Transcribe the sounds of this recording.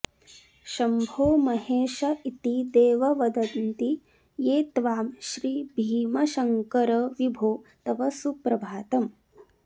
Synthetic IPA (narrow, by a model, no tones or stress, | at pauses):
ʃɐmbʱoːmɐɦeːʃɐit̪id̪eːʋɐʋɐd̪ɐnt̪i | jeːt̪ʋaːmʃɾiːbʱiːmɐʃɐŋkɐɾɐʋibʱoːt̪ɐʋɐsupɾɐbʱaːt̪ɐm